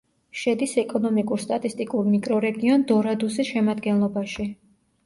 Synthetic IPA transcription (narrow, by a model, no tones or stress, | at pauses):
ʃɛd̪isɛkʼɔnɔmikʼuɾst̪ʼat̪ʼist̪ʼikʼuɾmikʼɾɔɾɛɡiɔnd̪ɔɾad̪usisʃɛmad̪ɡɛnlˠɔbaʃi